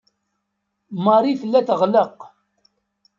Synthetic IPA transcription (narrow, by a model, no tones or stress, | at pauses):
məɾˤifəlːæθəʁləq